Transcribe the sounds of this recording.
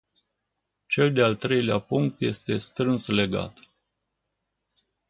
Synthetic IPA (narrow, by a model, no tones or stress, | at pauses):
t͡ʃe̞ld̪ealt̪ɾe̞jlea̰puŋk̚t̪je̞st̪e̞st̪ɾɨnsle̞ɡa̰t̪